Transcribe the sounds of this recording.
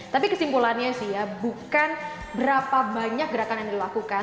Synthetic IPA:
t̪apikəsimpulanɲasijabukan | bəɾapabaɲak̚ɡəɾakanjaŋdilakuka

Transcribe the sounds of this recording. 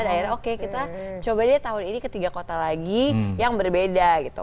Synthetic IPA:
adaɪrokekit̪at͡ʃobadiat̪aɦʊninikət̪iɡakot̪alaɡijaŋbərbedaɡit̪ṵ

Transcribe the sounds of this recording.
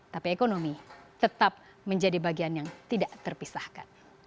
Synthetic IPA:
t̪apiekonomit̪ət̪ap̚ | məɲd͡ʒadibaɡianjaŋt̪idaʔt̪ərpisahkan

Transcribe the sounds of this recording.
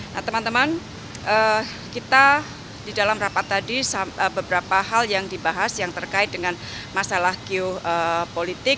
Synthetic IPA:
naht̪əmant̪əman | ʔə | kit̪a | didalamrapat̪ːadisaəbəbəɾapaɦaljaŋdibaɦasjaŋt̪ərkaɪt̪̚dəŋan | masalahɡiʊəpolit̪ɪk̚

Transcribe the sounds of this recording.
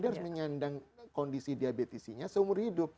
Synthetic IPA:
diahaɾʊsməɲandaŋkɔndisidiabet̪isiɲasəumʊrhidʊp̚

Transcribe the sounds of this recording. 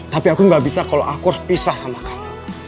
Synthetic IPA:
t̪apiakuŋɡaʔbisakaloʔakʊrspisahsamakami

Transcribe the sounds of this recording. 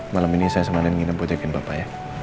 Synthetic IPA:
malaminisajasəmanɛnŋinəmpod͡ʒakɪnbapaja

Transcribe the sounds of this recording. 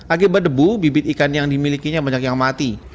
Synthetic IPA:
ʔakibat̪̚dəbubibɪt̪ikanjaŋdimilikiɲabaɲakjaŋmat̪i

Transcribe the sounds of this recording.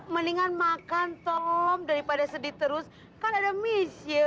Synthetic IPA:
məniŋanmakant̪ɔmdaɾipadasədit̪əɾʊs | kanadamisi

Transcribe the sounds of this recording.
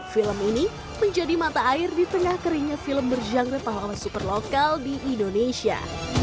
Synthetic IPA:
filəmini | məɲd͡ʒadimat̪aːɪrdit̪əŋahkəɾiɲafiləmbərd͡ʒaŋɡɾɛpaɦalasupərlokaldiʔːndoneʃia̰

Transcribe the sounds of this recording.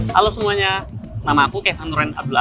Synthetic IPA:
ka̰losəmuaɲanamakukajafanɾɛna̰b̚dula

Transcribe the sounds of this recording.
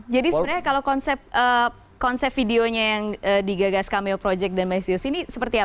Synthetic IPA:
d͡ʒadisɾakalakɔnsɛp̚ʔə | kɔnsɛp̚fideoɲajaŋəːdiɡaɡaskamɛpɾod͡ʒɛk̚danmaisiosinisəpərt̪ia

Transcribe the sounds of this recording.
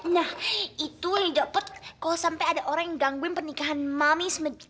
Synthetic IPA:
nahʔit̪uŋid͡ʒapət̪̚kalasampajadaʔoɾaŋjaŋɡaŋɡuɪnpərnikaɦanmamismə

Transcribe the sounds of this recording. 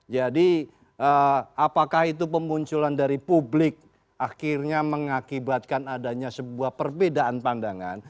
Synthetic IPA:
d͡ʒadi | ʔəapakahit̪̬up̬əmuɲt͡ʃulandaɾipublɪk̚ | ʔaxɪrɲaməŋakibat̪̚kanadaɲasəbuahpərbedaʔanpandaŋa̰n

